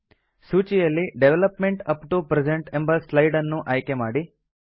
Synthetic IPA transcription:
suːt͡ʃijɐlːiɖeʋelɐpmeɳʈɐpʈupɾed͡ʒeɳʈembɐslɐjɖɐnːuʔɐjkemaːɽi

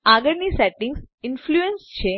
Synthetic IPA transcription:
aɡəɭnisɛʈɪ̃ŋɡsɪnfluenst͡ʃʰe

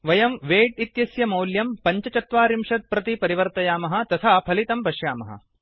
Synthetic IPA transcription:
ʋɐjɐmʋeːʈit̪jɐsjɐmɐwljɐmpɐɲt͡ʃɐt͡ʃɐt̪ʋaːɾimʃɐt̪̚pɾɐt̪ipɐɾiʋɐɾt̪ɐjaːmɐɦɐ̆t̪ɐt̪ʰapʰɐlit̪ɐmpɐʃjaːmɐɦɐ̰

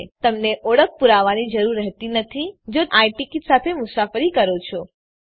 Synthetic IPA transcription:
t̪əmneʔɔɽək̚ʰpuɾaʋanid͡ʒəɾuɾːɛɦt̪inət̪ʰid͡ʒoaiʈikiʈ̪sat̪ʰemʊsafəɾikəɾot͡ʃʰɔ

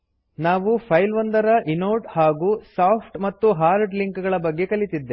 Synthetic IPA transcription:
naːʋupʰɐjlʋɐnd̪ɐɾɐʔinoːʈhaːɡuːsaːpʰʈmɐt̪ːuɦaːɾɖliŋkɡɐɭɐbɐɡːe̞kɐlit̪id̪ːe̞

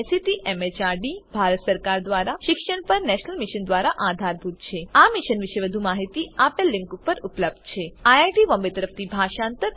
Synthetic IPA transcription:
siʈiʔemet͡ʃaɾɖibʱaɾət̪səɾkaɾd̪ʋaɾaʃɪkʃəɳpəɾnɛʃnəlmɪʃənd̪ʋaɾaʔad̪ʱaɾbʱut̪̚t͡ʃʰeamɪʃənʋɪʃeʋəd̪ʱumaɦit̪iapelːɪ̃ŋkupəɾupləb̚d̪̚t͡ʃʰeajajʈiʋə̃mbet̪əɾəft̪ʰibʱaʃãnt̪əɾ

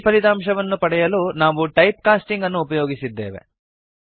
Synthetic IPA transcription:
pɐlit̪aːmʃɐʋɐnːupɐɽɛjɐluːnaːʋuʈɐjp̚kaːsʈiŋɡɐnːuːpɐjo̞ːɡisid̪ːe̞ːʋḛ

